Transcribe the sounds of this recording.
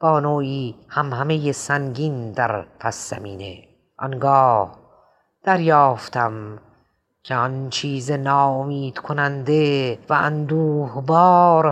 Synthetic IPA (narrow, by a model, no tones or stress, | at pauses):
b̥ɒːnoːʔiːhæmhæmejesæŋɡiːnd̪æɾpʰæsːæ̰miːnḛ | ʔɒ̰nɡɒːh | d̪̥æɾjɒːft̪ʰæm | kʰeɒnt͡ʃʰiːzenɒːomiːd̪̥kʰonænd̪evæænd̪uːhbɒːɾ